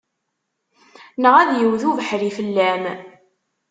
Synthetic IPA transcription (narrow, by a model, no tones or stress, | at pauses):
nəʁæðjəwðuvəħɾifəlːæm